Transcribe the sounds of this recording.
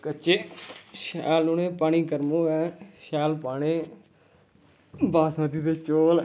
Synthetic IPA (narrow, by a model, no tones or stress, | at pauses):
kəːt͡ʃeːʃɛːlʊnẽːpaːɽ̃iːkəɾmõːɛːʃɛːlpaːɽ̃eː | baːsməd̪iːbeːt͡ʃoːl